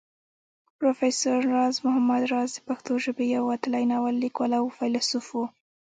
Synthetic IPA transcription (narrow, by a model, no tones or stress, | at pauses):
pɾofesaɾːɑzmʊɦamad̪ɾɑzd̪əpaxt̪oʒəbejawat̪alajnɑwalːikwalawfalsufwu